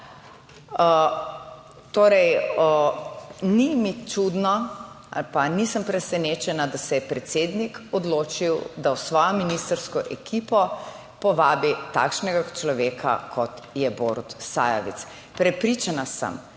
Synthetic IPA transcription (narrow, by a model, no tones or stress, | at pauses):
t̪oːɾɛj | nimit͡ʃud̪nɔ | a̰lpanisəmpɾɛsɛneːt͡ʃɛnad̪asɛjɛpɾɛt̪seːd̪nikɔd̪loːt͡ʃiwd̪awsʋɔːjɔminist̪əɾskɔʔɛkʰipɔ | pɔʋaːbit̪a̰kʃnɛɡat͡ʃlɔʋeːkʰa̰kʰɔt̪jɛboɾut̪sa̰ːjɔ̰ʋḭt̪s | pɾɛpɾiːt͡ʃanasə̰m